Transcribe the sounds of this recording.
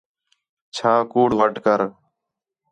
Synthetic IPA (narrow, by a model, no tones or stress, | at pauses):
t͡ʃʰaːkuːɽʋəʈkəɾ